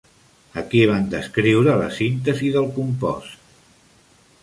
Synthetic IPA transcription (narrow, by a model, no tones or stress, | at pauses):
əkiβ̞and̪əskɾiwɾələ̰sint̪əziðəlˠkumpɔ̰s